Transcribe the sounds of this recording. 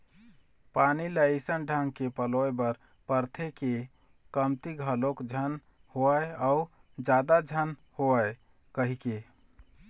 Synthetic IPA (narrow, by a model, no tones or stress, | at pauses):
paniləisənɖʱãŋɡkepəloebəɾ | pəɾt̪ʰeke | kəmt̪iɡʱəlokd͡ʒʱən | hoəead͡ʒad̪ad͡ʒʱənhoəe | kəɦike